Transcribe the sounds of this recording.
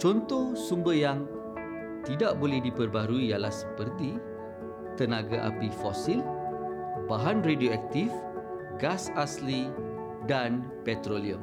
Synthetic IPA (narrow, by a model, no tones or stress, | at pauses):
t͡ʃɔnt̪ɔhsumbəjaŋ | t̪idaʔbolɛhdipərbaɾuijalahsə̥pərt̪i | t̪ənãɡaʔa̰pifɔsil | baɦanredioɛk̚t̪if | ɡasasli | dan | pɛt̪ɾoliə̰m